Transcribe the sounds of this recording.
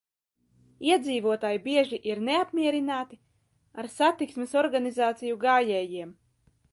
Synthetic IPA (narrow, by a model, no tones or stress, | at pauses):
iɛd̪ziːvuɔt̪aːjibiɛʒiʔiɾneapmʲiɛɾinaːt̪i | aɾsat̪iksmesɔɾɡanizaːt̪sijuɡaːjɛːjiɛm